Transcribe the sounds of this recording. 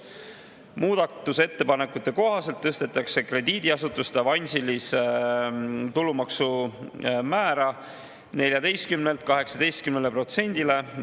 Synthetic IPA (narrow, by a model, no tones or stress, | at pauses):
muːd̪̥ɑt̪ːuse̞t̪ːe̞pɑne̞kːˑut̪ːˑe̞ko̞ɦɑse̞lt̪ːɤst̪e̞t̪ːˑɑkse̞kre̞d̪iːd̪̥iɑsut̪ːˑust̪ɑvɑnʲsilis | t̪ulːumɑksu | mæːɾɑ | ne̞lʲjɑd̪e̞jst̪̚kymnelt̪̚kɑɦe̞ksɑd̪e̞jst̪̚kymnele̞pro̞t̪se̞nʲd̪̥ile̞